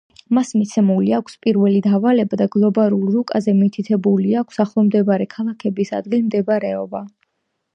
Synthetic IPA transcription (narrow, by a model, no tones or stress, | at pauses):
masmit̪sʰɛmuliakʷʰspʼiɾvɛlid̪avalɛbad̪aɡlˠɔbalulˠɾukʼazɛmit̪ʰit̪ʰɛbuliakʷʰsaχlˠɔmd̪ɛbaɾɛkʰalˠakʰɛbisa̰d̪ɡilmd̪ɛbɾɛɔba